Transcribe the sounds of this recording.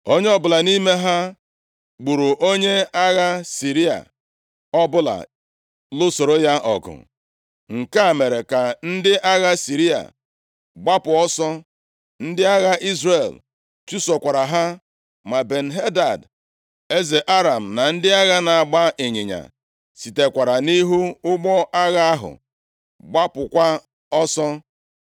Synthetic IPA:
o˦ɲe˦ɔ˦bʊ˨la˨ni˦me˦ɦa˦ | ɡ͡bu˨ɾu˨ʔo˦ɲe˦a˦ɣa˦si˨ɾi˦a̰˨ | ɔ˦bʊ˦la̰˨ | lʊ˦so˨ɾo˦ja˦ʔɔ̰˨ɡʊ̰˨ | ŋ̩˨ka˦˨me˨ɾe˨ka˨n̩˦dɪ˦ʔa˦ɣa˦si˨ɾi˦a̰˨ | ɡ͡ba˦pʊ˨ɔ˦sɔ˦ | n̩˦dɪ˦a˦ɣa˦ʔi˦zre˨l | t͡ʃu˦sɔ˨kʷa˨ɾa˨ɦa˦ | ma˨be˨n̩˨ɦe˦da˨d | e˦ze˨ʔa˦ɾa˨m̩˨na˨n̩˦dɪ˦a˦ɣa˦na˨a˨ɡ͡ba˦ʔe˨ɲe˨ɲa̰˨ | si˨te˨kʷa˨ɾa˨ni˦ɦu˦ʊ˦ɡ͡bɔ˦ʔa˦ɣa˦a˦ɦʊ̰˨ | ɡ͡ba˦pʊ˨kʷa˦ | ɔ˦sɔ˦

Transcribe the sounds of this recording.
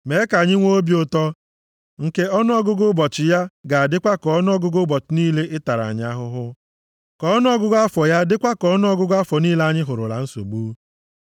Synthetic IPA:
me˨˦ka˨ɲɪ˦ŋʷo˦o˦bjʊ˦tɔ˦ | ŋ̩˨ke˦ɔ˦nʊ˦ɔ˦ɡʊ˦ɡʊ˦bɔ˨t͡ʃɪ˨ja˦ɡa˨a˨dɪ˦kʷa˦kɔ˨˦nʊ˦ɔ˦ɡʊ˦ɡʊ˦bɔ˨t͡ʃɪ˨˦niː˦le˦ʔɪ˦ta˨ɾa̰˨ɲ˦a˦ɦʊ˦ɦʊ˦ | kɔ˨˦ɔ˦nʊ˦ɔ˦ɡʊ˦ɡa˦fɔ˨ja˦dɪ˦kʷa˦kɔ˦nʊ˦ɔ˦ɡʊ˦ɡa˦fɔ˨niː˦la˦ɲɪ˦ɦʊ˨ɾʊ˨la̰˨n̩˦so̰˨ɡ͡buː˦

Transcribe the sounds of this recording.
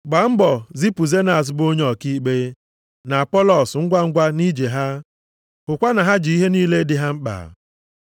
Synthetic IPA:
ɡ͡ba˨m̩˦bɔ˨zi˦pu˨ze˦na˨s̬bo˦ɲ˦ɔ˨ki˦ɡ͡be˦ | na˨a˨pɔ˦lɔ˨sŋ̩˦ɡʷa˦ŋ̩˦ɡʷa˦ni˦d͡ʒe˨ɦa˦ | kʊ˨kʷa˦na˨ɦa˦d͡ʒi˨i˦ɦe˦niː˦le˦dɪ˦ɦa˦ŋ͡m̩˦k͡pa̰˨

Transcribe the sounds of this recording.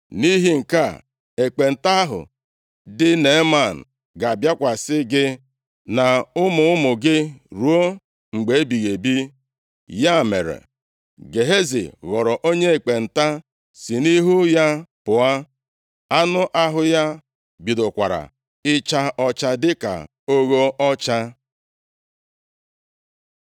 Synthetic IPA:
ni˦ɦi˦ŋ̩˨ka˦˨ | e˨k͡pe˨n̩˨ta˦ɦʊ̰˨ | dɪ˦ne˨˦ma˦˨n̩˨ | ɡa˨a˨bja˦kʷa˨sɪ˦ɡɪ˦ | na˨ʊ˦mʊ˨ʊ˦mʊ˨ɡɪ˦ɾu˨˦o˦ | ŋ͡m̩˨ɡ͡be˨e˦bi˨ɣe˨bi˦ | ja˦˨mḛ˨ɾḛ˨ | ɡe˨ɦe˦zḭ˨ɣɔ˨ɾɔ˨ʔo˦ɲe˦e˨k͡pe˨n̩˨ta˦ | si˨ni˦ɦu˦ja˦pʊ˨a˦ | a˦nʊ˦ʔa˦ɦʊ˦ja˦ | bi˨do˨kʷa̰˨ɾa̰˨ | ɪ˦t͡ʃa˦ɔ˦t͡ʃa˦dɪ˦ka̰˨ | o˦ɣo˦ɔ˦t͡ʃa˦

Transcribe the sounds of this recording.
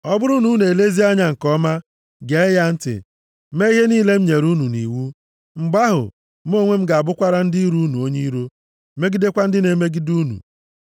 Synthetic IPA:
ɔ˦bʊ˦ɾu˦nu˨˦ne˨le˦zi˦a˦ɲa˨ŋ̩˨kɔ˦ma˦ | ɡe˨˦ja˦n̩˦tɪ̰˨ | me˦i˦ɦe˦niː˦le˦m̩˦ɲe˨ɾu˦nu˨nḭ˨wu˦ | ŋ͡m̩˨ɡ͡ba˦ɦʊ̰˨ | m̩˦o˦ŋʷe˦m̩˦ɡa˨a˨bʊ˦kʷa˦ɾa˦n̩˦di˦i˦ɾu˦nu˨o˦ɲe˦i˦ɾu˦ | me˦ɡi˦de˦kʷa˦n̩˦dɪ˦ne˨me˦ɡi˦du˦nṵ˨

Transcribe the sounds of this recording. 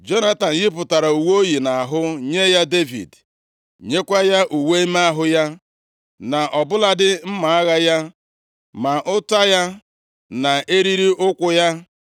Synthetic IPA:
d͡ʒo˦na˦ta˨n̩˨jɪ˦p̬ʊ˨ta˨ɾa˨u˨wo˦ji˨na˨a˨ɦʊ˦ɲe˦ja˦de˦vḭ˨d | ɲe˦kʷa˦ja˦ʔu˨we˦i˦m˦a˦ɦʊ˦ja˦ | na˨ʔɔ˨bʊ˦la˦dɪ˦m̩˦ma˨a˦ɣa˦ja˦ | ma˨ʔʊ˦ta˦ja˦ | na˨e˦ɾi˦ɾi˦ʔʊ˦kʷʊ˦ja˦

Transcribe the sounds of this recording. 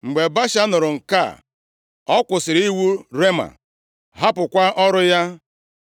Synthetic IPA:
ŋ͡m̩˨ɡ͡be˨ba˦ʃa˦nʊ˨ɾʊ˨ŋ̩˨ka̰˦˨ | ɔ˦kʷʊ˨sɪ˨ɾi˦wu˦ɾe˦ma̰˨ | ɦa˦pʊ˨kʷa˦ʔɔ˦ɾʊ˦ja˦

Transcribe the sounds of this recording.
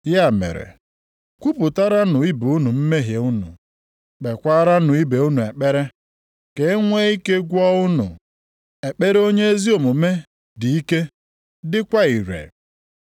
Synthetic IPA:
ja˦˨mḛ˨ɾḛ˨ | kʷu˦pʊ˨ta˦ɾa˦nʊ˨i˦bu˦nu˨m̩˦me˦ɦje˨ʊ˦nʊ̰˨ | k͡pe˨kʷa˦ɾa˦nʊ˨i˦be˨u˦nu˨e˨k͡pe˦ɾe˦ | ke˨˦ŋʷe˦i˦ke˦ɡʷɔ˦ʊ˦nʊ̰˨ | e˨k͡pe˦ɾe˦o˦ɲe˦e˦zi˦o˨mʊ˨me˦ | di˨i˦ke˦ | dɪ˦kʷa˦i˨ɾḛ˨

